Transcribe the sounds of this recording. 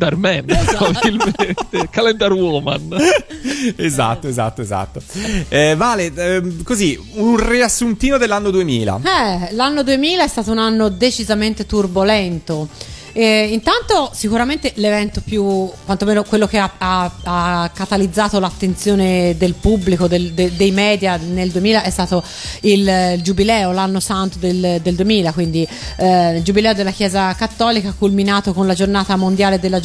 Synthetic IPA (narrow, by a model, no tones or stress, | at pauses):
d̪armɛnavilmmnt̪ekalɛnd̪aɾwɔːma̰n | eza̰t̪ːoeza̰t̪ːoeza̰t̪ːoɛvaːlekozi | unriasːunt̪iːnod̪elːanːod̪uemiːla̰ɛlanːod̪uemiːlaɛst̪aːt̪ounanːod̪et͡ʃizament̪et̪urbolɛnt̪o | int̪ant̪osikuɾament̪elevɛnt̪opjukːwant̪omeːnokwelːokeaaakːat̪alid̪zːaːt̪olat̪ːent̪sjoːned̪elpubːlikod̪ed̪ed̪ejmɛːd̪janeld̪uemiːlaʔɛst̪aːt̪o | ild͡ʒubilɛːolanːosant̪od̪eld̪eld̪uemiːlakwind̪i | ld͡ʒubilɛːod̪elːakjɛːzakat̪ːɔːlikakːulminaːt̪okonlad͡ʒornaːt̪amond̪jaːled̪elːa